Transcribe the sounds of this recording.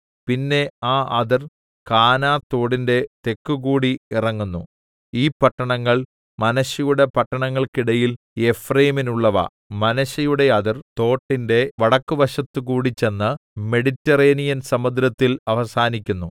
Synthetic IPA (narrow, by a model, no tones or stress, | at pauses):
pinːe̞aːʔɐðɐr | kaːnaːt̪ːo̞ːɽinde̞t̪e̞kːukuːɽiirɐŋːunːu | iːpɐʈːɐɳɐŋːɐɭ | mɐnɐɕɐjuɽe̞pɐʈːɐɳɐŋːɐɭkiɽɐjil | e̞frejminuɭːɐʋɐ̰ | mɐnɐɕɐjuɽe̞ɐðɐrt̪o̞ːʈːinde̞ʋɐɽɐkːuʋɐɕɐt̪ːukuːɽit͡ɕe̞nːɨme̞ɽitːɐreːnijɐnsɐmɐd̪ɾɐt̪ːilɐʋɐsaːnikʲːunːu